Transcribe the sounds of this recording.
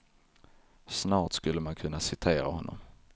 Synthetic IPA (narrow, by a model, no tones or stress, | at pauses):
snɑːʈskɵlːəmankʰɵnːasɪt̪ʰeːɾa̰hɔnːɔ̰m